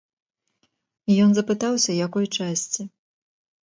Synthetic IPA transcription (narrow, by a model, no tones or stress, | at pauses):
ijɔnzɐpɨt̪awsʲɐjakɔjt͡ʂasʲt͡sʲi